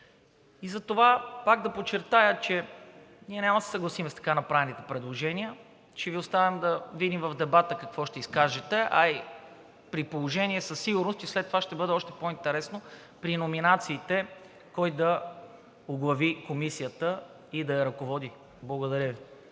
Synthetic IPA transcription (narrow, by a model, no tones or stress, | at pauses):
izɐt̪ovapaɡd̪ɐpot͡ʃːɛɾt̪ajət͡ʃɛ | niɛnʲamɐsɛ̥sɐɡlˠɐsimɛst̪ɐ̥kanɐpɾavɛnit̪ɛ̥pɾɛd̪lˠoʒɛniə | t͡ʃɛviost̪avɛmd̪ɐvid̪imvɐvd̪ɛbat̪əkɐkvɔʃt̪ɛiskaʒɛt̪ɛʔɐi | pɾipolˠoʒɛniɛsɐsːiɡʊɾnost̪islɛt̪ːovaʃt̪ɛbɤd̪ɛɔʃt̪ɛpoint̪ɛɾɛsno | pɾinominat̪siːt̪ɛ | kɔjd̪ɐ | oɡlˠɐvikomisijət̪ə | id̪ɐjɐɾɐkovɔd̪i | blˠɐɡod̪ɐɾʲəvi